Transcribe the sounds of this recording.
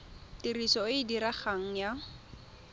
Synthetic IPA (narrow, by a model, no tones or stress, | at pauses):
tirisɔɪdiɾaχaŋ̩ja